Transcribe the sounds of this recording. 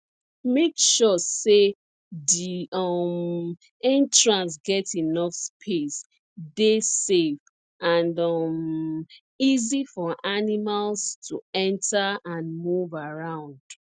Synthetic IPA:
mekʃɔse | diʌm | ɛ̃ntɹãns̬ɡɛtinɔfspʰes | desef | ãndʌm | izifɔʔanimalstʰuɛ̃ntʰaãnmuvaɹãʊ̃nd̥

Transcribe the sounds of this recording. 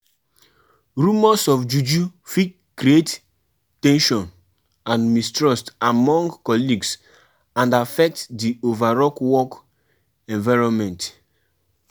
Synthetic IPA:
ɹumɔsɔfd͡ʒud͡ʒufi | kɾiet | tɛ̃nʃɔ̃n | ãnmistɹɔstamɔ̃ŋɡkɔliɡs | ãndafɛk̚tdiovaɹɔkwɔk | ɛ̃nvaɪɹɔ̃nmɛ̃nt

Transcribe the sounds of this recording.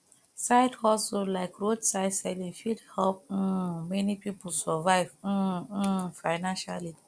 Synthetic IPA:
saɪdhɔsolaɪkɹodsaɪdsaɪdɛ̃nfidhɛlp̩̚mɛnipipul̩sɔvaɪv̩ | faɪnãnʃali

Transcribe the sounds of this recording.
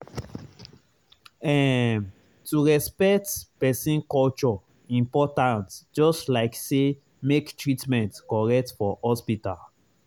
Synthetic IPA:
ɛ̃ | tuɹɛspɛk̚tpɛsĩnkɔlt͡ʃɔ | ĩmpɔtãntd͡ʒɔstlaɪkse | mektɹitmɛ̃ntkɔɹɛk̚tfɔhɔspita̰l

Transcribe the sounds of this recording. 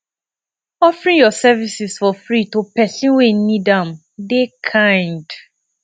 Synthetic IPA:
ɔfɹĩŋjɔsɛvisisfɔfɹitopɛsĩnwenidãm | dekʰãɪ̃nd

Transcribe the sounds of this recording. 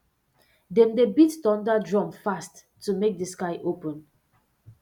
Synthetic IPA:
dɛ̃mdebittɔ̃ndadɹɔ̃mfastː | umek̚dəskaɪʔopə̃n

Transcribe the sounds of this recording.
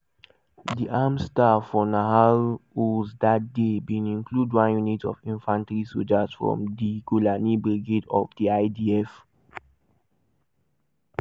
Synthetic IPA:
diʔamstafɔnaɦaluzdat̚debĩnĩnkludwãnjunitɔ̰vĩnfãntɹisod͡ʒazfɹɔ̰̃mdiɡulanibɹɛɡedɔ̰vdiaɪdiɛf

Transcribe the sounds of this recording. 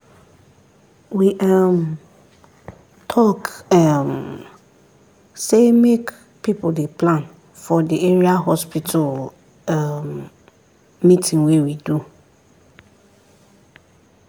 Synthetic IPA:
wiʔam | tʰɔkam | semek | pʰipʰʊdepʰlãn | fɔdieɹiaɦɔspʰitʰal | am | mĩtʰĩŋwewidu

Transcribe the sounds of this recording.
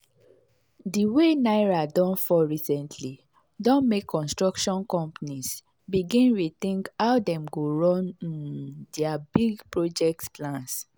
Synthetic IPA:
diwenaɪɹadɔ̃nfɔɹisɛ̃ntʰli | dɔ̃nmekʰːɔ̃nstɹɔkʃɔ̃nkɔ̃mpanis | biɡĩnwit̪ĩŋkawdɛ̃mɡoɹɔ̃nĩndɛabiɡpɹod͡ʒɛk̚tplãns

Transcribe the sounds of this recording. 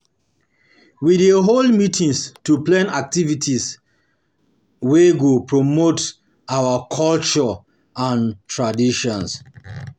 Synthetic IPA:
wideɦolmitĩŋstuplãnak̚tivitʰis | weɡupɹomot | awakʰɔlt͡ʃɔ | ãntʰɹadiʃɔ̃ns

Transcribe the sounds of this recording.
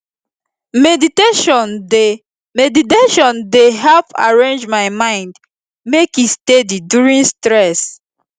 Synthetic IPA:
mediteʃɔ̃nde | mediteʃɔ̃ndeɦɛlpa̰ɹẽnd͡ʒmaɪmãɪ̃nd | mekistedidjuɹĩnstɹɛs

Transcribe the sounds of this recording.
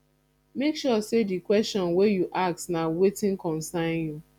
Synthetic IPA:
mekʃusedikwɛstɔ̃nwejuʔak̚tnaʊwetɪ̃nkɔ̃nsãɪ̃nju

